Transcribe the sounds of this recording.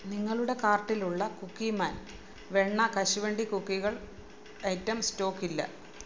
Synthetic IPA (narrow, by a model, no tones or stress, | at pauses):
niŋːɐɭuɽe̞kaːrʈːiluɭːɐkukːimaːn | ʋeɳːɐkɐɕuʋeɳɖikukːiɣɐɭ | ɐjtːɐmsto̞ːkːilːɐ̰